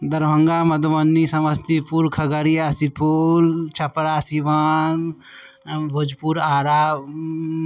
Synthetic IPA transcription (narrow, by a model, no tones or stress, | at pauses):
d̪ɐɾbʱɐ̃ŋɡamɐd̪mɐnːisɐməst̪ipuɾkʰɐɡəɾiasipoːlt͡ʃʰɐpɽasiʋaːn | bʱud͡ʒpuɾaːɾa